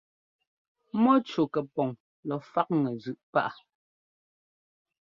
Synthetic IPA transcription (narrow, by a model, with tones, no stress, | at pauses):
mɔ˦t͡ʃo˨kɛ˨pɔ˨ŋ | lɔ˨fa˦k̚ŋɛ˨zʉ˨ʔpa̰˦ʔa˨